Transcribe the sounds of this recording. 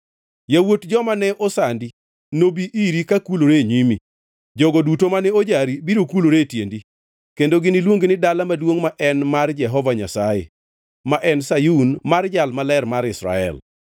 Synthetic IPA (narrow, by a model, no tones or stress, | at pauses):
jawotd͡ʒɔmanɛʔosandi | nobiʔiɾikakuloɾeɲimi | d͡ʒɔɡɔdutomanɛod͡ʒaɾibiɾokuloɾetjendi | kendoɡɪnɪlwoŋɡinɪdalamadwoŋmaʔɛnmard͡ʒɛɦɔvaɲa̰sajḛ | maʔɛnsajunmard͡ʒalmalɛrmaɾɪsɾa̰ɛ̰l